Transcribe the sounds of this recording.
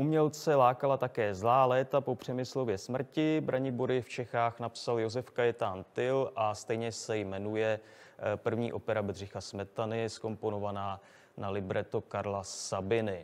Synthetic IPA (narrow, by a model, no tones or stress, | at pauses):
ʔumɲɛlt͡sɛlaːkalat̪akɛːzlaːlɛːt̪apo̞pr̝̥ɛmɪslo̞vjɛsmr̩cɪbɾaɲɪboɾɪft͡ʃɛxaːxnapsaljo̞zɛfkajɛt̪aːnt̪ɪlʔast̪ɛjɲɛsɛjmɛnujɛ | pr̩vɲḭːʔo̞pɛɾabɛd̪rɪxasmɛt̪anɪsko̞mpo̞no̞vanaː | nalɪbɾɛt̪okaɾlaabɪnɪ